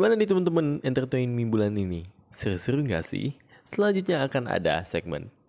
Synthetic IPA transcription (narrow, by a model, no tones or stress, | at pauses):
imanadit̪əmənt̪̬əmənɛnt̪ərt̪ɛjnmimbulanini | səɾsəɾuŋɡa̰sɪ̰h | səlaɲd͡ʒut̪̬̚ɲaːkana̰da̰sɛ̰ɡ̚mɛ̰n